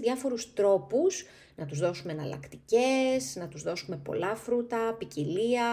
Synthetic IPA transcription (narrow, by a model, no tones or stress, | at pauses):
ðʝɐfo̞ɾust̪ɾo̞pus | nɐt̪uzðo̞sumenɐlɐ̰kt̪ice̞znɐt̪uzðo̞sume̞po̞̰lɐfɾut̪ɐpiciliɐ